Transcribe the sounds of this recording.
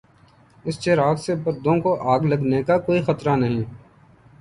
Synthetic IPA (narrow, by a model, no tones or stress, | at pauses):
ɪst͡ʃeːɾaːksebɐɾd̪õkoʔaːɡlɐɡnekakoːixɐt̪ɾanɐɦĩː